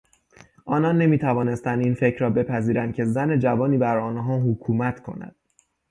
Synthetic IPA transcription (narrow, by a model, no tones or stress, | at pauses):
ʔɒːnɒnːe̞miːt̪ʰævɒːne̞st̪ænd̪iːnfe̞cʰɾɒːbe̞pʰæziːɾænd̪̚cʰe̞zæne̞d͡ʒævɒːniːbæɾɒːnɦɒːɦokʰuːmæt̪ʰkʰo̞̰næ̰d̪̥